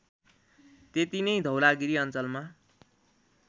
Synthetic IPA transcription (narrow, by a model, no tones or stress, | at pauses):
t̪et̪inʌjd̪ʱʌwlaɡiɾiʌnt͡sʌlma